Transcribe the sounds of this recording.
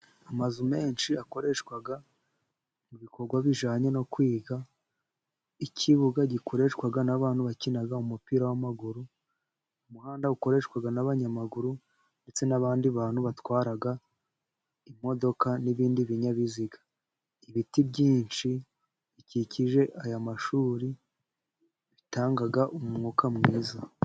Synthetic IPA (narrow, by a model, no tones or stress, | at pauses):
amazume̞ːnʃiako̞ɾe̞ʃkwaɡa | muβiko̞ɾɡwaβiʒaːɲe̞no̞kwiːɡa | icʰiβuɡaɟikʰo̞ɾe̞ʃkwaɡanaβaːn̥huβacinaɡaumupiːɾawamaɡuɾu | umuhaːndauko̞ɾe̞ʃwaɡanaβaɲamaɡuɾu | nde̞t͡se̞naβaːndiβaːn̥huβatwaːɾaɡa | imo̞do̞kaniβiːndiβiɲaβiziɡḁ | iβitibɟiːnt͡ʃi | βiciciʒe̞ʔajamaʃuːɾi | βitaːŋɡaɡaʔumumŋoːkamŋiːza